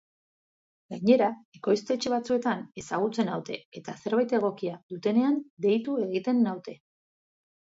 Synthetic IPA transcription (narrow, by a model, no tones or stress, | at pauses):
ɡaɲe̞ɾae̞ko̞jst̪e̞t͡ʃeβ̞at͡sue̞t̪ane̞saɣ̞ut͡se̞nawt̪e̞̰et̪ase̞ɾβajt̪eɣ̞o̞kiaðut̪e̞ne̞and̪e̞jt̪ue̞ɣit̪e̞nːawt̪e̞